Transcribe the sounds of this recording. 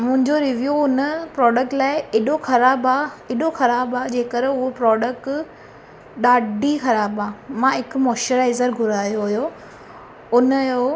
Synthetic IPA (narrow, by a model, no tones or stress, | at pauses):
mʊ̃ɦɪ̃ɲd͡ʑoɾɪʋjuːʊnəpɾɔːɖək̚ʈlaːɪɪɗoxɐɾaːbaːɪɗoxɐɾaːbaːd͡ʑeːkəɾʊɦopɾɔːɖək̚ʈ | ɗaːɖʱixɐɾaːbaːmãɪkʊmɔːʃəɾaːɪzəɾɡʱʊɾaːjoɦʊjo | ʊnjo